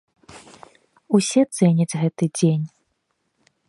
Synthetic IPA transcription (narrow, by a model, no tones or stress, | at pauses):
usʲɛt̪sɛnʲɐd͡zʲɣɛt̪ɨd͡zʲenʲ